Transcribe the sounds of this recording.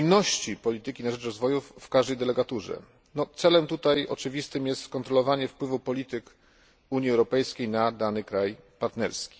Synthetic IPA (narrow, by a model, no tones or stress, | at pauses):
nnɔɕt͡ɕipɔlʲit̪ɘkʲinaʐɛt͡ʂɾɔzvɔjufːkaʐd̪ɛjd̪ɛlɛɡat̪uʐɛ̰ | nɔt̪sɛlɛmt̪ut̪ajɔ̰t͡ʂɘvʲist̪ɘmjɛst̪kɔnt̪ɾɔlɔvaɲɛfpwɘvupɔlʲit̪ɘk | uɲiɛwɾɔpɛjskʲejnad̪anɘkɾajpaɾt̪nɛɾskʲi̥